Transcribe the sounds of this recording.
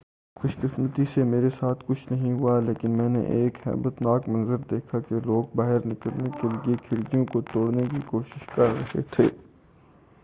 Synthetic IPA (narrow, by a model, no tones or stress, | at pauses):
xʊʃkɪsmət̪isemeːɾesaːt̪ʰkʊt͡ʃʰnɐɦĩɦʊaleːkɪnmɛ̃ːnḛʔeːkhɛ̰ːbət̪naːkmɐ̃nzəɾd̪eːkʰakeloːɡ̚baːɦɪɾnɪkəlnekeliekʰɪɽɡijõkot̪oːɽnekikoːʃɪ̥ʃkɐɾːɐɦḛt̪ʰeː